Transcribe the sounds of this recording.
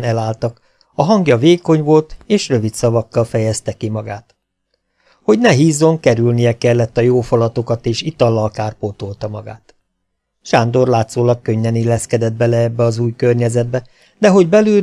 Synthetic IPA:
nɛlaːlt̪ɒk | ɒɦɒŋɡjɒveːko̞ɲvo̞lt̪eːʃrø̞vit̪sɒvɒkːɒlfɛjɛst̪ɛkimɒɡa̰ːt̪ | ho̞ɟnɛɦiːzːo̞ŋkɛɾylnijɛkɛlːɛt̪ːɒjoːfolɒt̪o̞kɒt̪eːʃit̪ɒlːɒlkaːrpoːt̪olt̪ɒmɒ̰ɡa̰ːt̪ | ʃaːnd̪o̞rlaːt̪soːlɒkːøɲːɛnilːɛskɛd̪ɛd̪̚bɛlɛɛbːɛɒzuːjkørɲɛzɛd̪̚bɛ | d̪ɛɦo̞ɟbɛlyː

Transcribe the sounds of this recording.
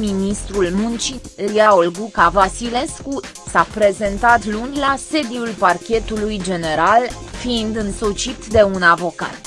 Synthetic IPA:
minist̪ɾulmunt͡ʃilijaolɡukavasile̞sku | sapɾe̞ze̞nt̪at̪lunʲlase̞d̪iulparkʲe̞t̪ulujd͡ʒe̞ne̞ɾalfiːnd̪ɨnso̞t͡ʃit̪d̪e̞unavo̞ka̰t̪

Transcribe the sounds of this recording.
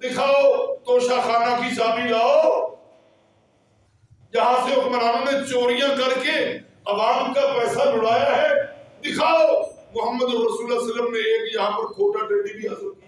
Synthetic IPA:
d̪ɪkʰaːot̪oːʃaːxaːnakisaːbilaːoː | jɐɦãseʊməɾãːnnẽt͡ʃoːɾijãːkɐɾke | ɐʋaːmkapɛːsad͡ʒʊɽaːjaɦɛːd̪ɪkʰaːoːmʊɦəmːəd̪obɾəsuːlasələmnẽeːkjɐɦãpəɾkʰoːʈaʈeːɽibʱiɦəsəlkia

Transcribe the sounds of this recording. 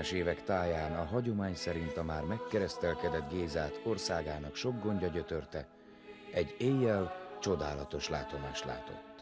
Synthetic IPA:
ʃeːvɛkt̪aːjaːnɒɦɒɟo̞maːɲsɛɾint̪ɒmaːrmɛkːɛɾɛst̪ɛlkɛd̪ɛd̪ɡeːzaːt̪o̞rsaːɡaːnɒkʃo̞ɡːo̞ɲɟɒɟø̞t̪ø̞rt̪ɛ | ɛɟːeːjːɛlt͡ʃo̞d̪aːlɒt̪o̞ʃlaːt̪o̞maːʃt̪la̰ːt̪o̞̰t̪ː

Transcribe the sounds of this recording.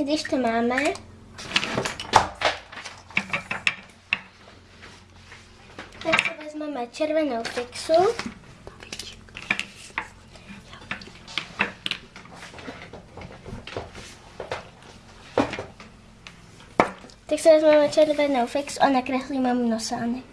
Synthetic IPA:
ɡd̪iʃt̪ɔmaːmɛ | t̪aksɛvɛzmaːmɛt͡ʃɛɾvɛnɔwfɛksu | t̪ɛksɛvɛzmaːmɛt͡ʃɛɾvɛnɔwfɛksuʔanakɾɛxlimamnɔsaːnɪ

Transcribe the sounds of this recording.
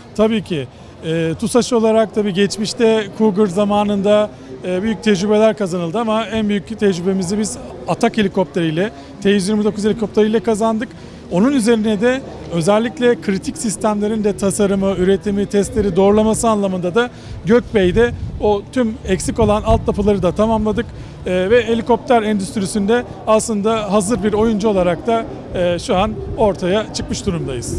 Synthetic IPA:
t̪ʰabiːcʰi | ɛːt̪ʰusaʃo̞lˠaɾak̚t̪ʰabiːɟɛt͡ʃmiʃt̪ʰɛkʰuɡɯɾzamaːnɯnd̪aː | byjyc̚t̪ʰɛd͡ʒɾybe̞lʲæɾkazanɯlˠd̪ɯamaænbyjyct̪ʰɛd͡ʒɾybe̞mizɛbizat̪ʰakʰe̞lʲikʰo̞p̚t̪ʰeɾijlʲɛ | t̪ʰejyzjiɾmid̪o̞kʰuzeikʰo̞pt̪ʰeɾɯjlʲˠɛkʰazand̪ɯk | o̞nunyze̞ɾinɛd̪ɛ | ø̞zɛlʲːiclʲɛkʰɾit̪ʰicsist̪ʰæmlʲe̞ɾind̪ɛt̪ʰasaɾɯmɯyɾe̞t̪ʰimit̪ʰɛst̪lʲe̞ɾid̪o̞ɾlˠamasɯanlˠamɯnd̪ad̪a | ɟøc̚bejd̪ɛot̪ʰymɛcsiko̞lˠanalˠt̪̚d̪apʰɯlˠaɾɯd̪at̪ʰamamlˠad̪ɯkː | vɛelʲiko̞p̚t̪ʰæɾɛnd̪yst̪ʰɾisynd̪ɛ | aslˠɯnd̪aɦazɯɾbiɾo̞jund͡ʒuo̞lˠaɾak̚t̪ʰaː | ʃuano̞ɾt̪ʰajat͡ʃʰɯkmɯʃd̪uɾumd̪ajɯz̥

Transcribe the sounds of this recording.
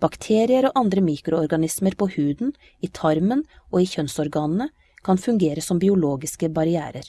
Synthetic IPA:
b̥ɑkt̪ʰeːɾɪəɾoːʔɑnd̪ɾəmiːkɾʊɔɾɡɑnɪsməɾpoːhʉːd̪n̩ | iːt̪ʰɑɾmənʔoːiːçœnsɔɾɡɑːnn̩ə | kʰɑnfʉŋɡeːɾəsɔmbɪʊloːɡɪskəbɑɾɪæ̰ːɾəɾ

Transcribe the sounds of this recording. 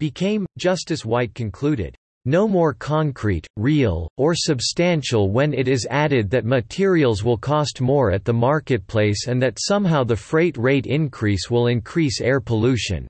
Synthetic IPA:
b̥ɨkʰẽɪ̃md͡ʒʌstɨzwaɪt̚kʰɨ̃nkʰl̥ʉɾɪ̰d̥̚ | noʊmɔɹkʰɑ̃ŋkʰɹ̥ḭtɹilˠə˞sɨbstæ̃nʃl̩ˠwə̃nɪɾɪzæɾɪd̪̚ðɨt̚mɨtʰɪɹil̩ˠzwɪlˠkʰɔstmɔɹɨt̪̚ðəmɑɹkɨt̚pʰl̥eɪsɨ̃nðɨtsʌ̃mɦaʊðɨfɹeɪt̚ɹeɪɾɪ̃nkʰɹ̥iswɪlˠɪ̃nkʰɹ̥isɛɹpʰəlʉʃɨ̰̃n

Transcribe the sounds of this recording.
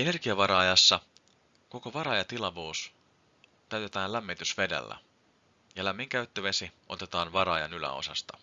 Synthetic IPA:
e̞ne̞rɡ̥iɑʋɑɾɑɑjɑsːɑ | ko̞ko̞ʋɑɾɑjɑt̪ilɑʋuːs | t̪æɥt̪e̞t̪æːnlæmːit̪ysʋe̞dḛlːæ̰ | jɑlæmːiŋkæyt̪ːøʋesiʔo̞̰t̪e̞t̪ɑːnʋɑɾɑjɑnylæ̰o̞̰sɑst̪ɑ̥

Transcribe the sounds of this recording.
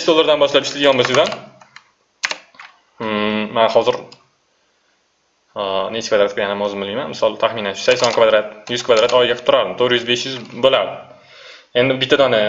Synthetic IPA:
beʃd̪olˠːaɾd̪anbɒʃlapɪʃt̪lɪd̪ɪɡɒnbosɪd̪an | anhɒzɪɾ | net͡ʃkvad̪ɾat̪kʰjannɒzɪmbɪlmijmanmɪsɒlˠt̪ʰaχminanʃʊ̥sakʲsɒnkvad̪ɾat̪jʊzkʰvad̪ɾat̪ɒjɪɡʲaqʰɨ̥p̚t̪ʊɾaɾd̪ɪmt̪ʰoɾjʏzbe̞ʃjʏzbolaɾd̪ɪ | e̞nd̪ɪbɪt̪ʰːad̪ɒnɪ

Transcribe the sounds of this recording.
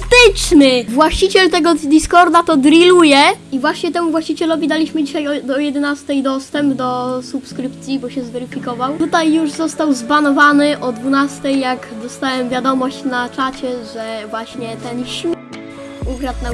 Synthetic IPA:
t̪ɘt͡ʂnɘvwaɕt͡ɕit͡ɕɛlt̪ɛɡɔd̪iskɔɾd̪at̪ɔd̪ɾilujɛivwaɕɲɛt̪ɛmuvwaɕt͡ɕit͡ɕɛlɔvʲid̪alʲiɕmɘd͡ʑiɕajɔd̪ɔjɛd̪ɛnast̪ɛjd̪ɔst̪ɛmbd̪ɔsupskɾɘpt̪sʲjibɔɕɛzvɛɾɘfʲikɔvawt̪ut̪ajːuʐzɔst̪awzbanɔvanɘʔɔd̪vunast̪ɛjːaɡd̪ɔst̪awɛmvʲjad̪ɔmɔɕt͡ɕnat͡ʂat͡ɕɛʐɛvwaɕɲɛt̪ɛnɕmʲ | uvɾat̪̚na

